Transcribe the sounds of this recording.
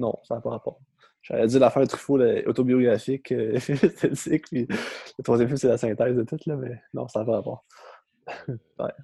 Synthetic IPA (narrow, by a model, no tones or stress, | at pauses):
nɔ̰̃saːpɔʁapɑːʁ | ʒa̰ʁɛd͡zzɪːʁlafɛ̃ʁd̪ət̪χy̥folʔo̰t̪obioɡʁafɪkʰøɛst̪ʰɛt͡sɪkpilət̪χwazjɛ̃mfɪmselasɛ̃t̪ɛɪzd̪ət̪ʊt̪lʌmɛnɔ̰̃saːpɔʁapɑ̰ːʁ | wɛ̰